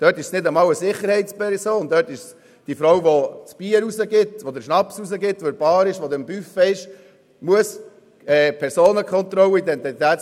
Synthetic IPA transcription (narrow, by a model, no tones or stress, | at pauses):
d̥œtɪʃsnɪdəmɑːwəsɪχəɾhɛɪtspɛɾsoːndœːtɪʃs | d̥ifɾɔwvot͡sb̥iːəɾuzəɡɪtʋɔd̪əɾʃnɑpsusəɡɪt̪ʋɔɾb̥ɑːɾɪʃʋɔd̪əmbyfəɪʃ | muəs | ɛːpʰɛɾsoːnəkʰχɔnt̪ɾɔləidɛnt̪it̪æːt͡s